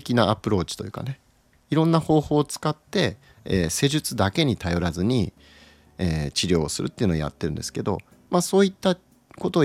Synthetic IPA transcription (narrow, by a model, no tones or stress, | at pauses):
kʲinaːpɯɾo̞ːt͡ɕi̥t̪o̞jɯ̟ːka̰ne̞ | iɾõ̞nːaho̞ːho̞ːt͡sɨ̥kat̪ːe̞ | eːse̞ʑɨt͡sɨd̪ake̞ɲ̟it̪ajo̞ɾazɨɲ̟i | eːt͡ɕiɾʲo̞ːsɨɾɯ̟̰t̪ːeiɯ̟nooja̰t̪ːe̞ɾɯ̟nd̪e̞sɨ̥ke̞d̪o̞̰ | maːso̞ːit̪ːa | ko̞t̪o̞ː